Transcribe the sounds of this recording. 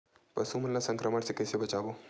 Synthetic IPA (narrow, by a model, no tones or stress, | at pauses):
pɐsuməlnasəŋkɾəməɽsekesebət͡ʃaːboː